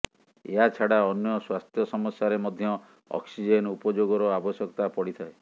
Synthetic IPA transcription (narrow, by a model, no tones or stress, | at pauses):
ḛɦat͡ʃʰaɽaɔnjɔswast̪ʰjɔsɔmɔsjaɾemɔd̪ʱjɔ | ɔ̰ksid͡ʒenupɔd͡ʒoɡɔɾɔabɔsjɔkɔt̪apɔɽit̪ʰae